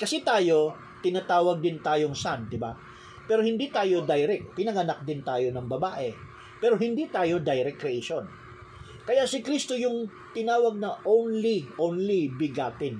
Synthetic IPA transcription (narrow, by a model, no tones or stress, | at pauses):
kɐsɛt̪aːjo̞ | t̪ɪnaːt̪aːwɐɡ̚d̪ɪnt̪aːjoŋsand̪ɪba̰ | pɛːɾo̞hɪnd̪it̪aːjo̞d̪ɐjɾɛk̚t̪pɪnɐɡɐnak̚d̪ɪnt̪aːjo̞nɐŋbɐbaːʔɛ | pɛːɾo̞ɦɪnd̪it̪aːjo̞d̪ajɾɛkːɾɛʔeʃon | kɐjaʔsɪkɾist̪o̞jʊŋ | t̪ɪnaːwɐɡ̚nɐʔownliʔonlibɪɡaːt̪ɪn